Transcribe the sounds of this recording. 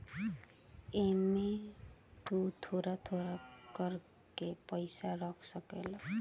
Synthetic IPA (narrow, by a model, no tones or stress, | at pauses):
emetut̪ʰoɾat̪ʰoɾakəɾ | kepəɪsaɾɔkʰsəkel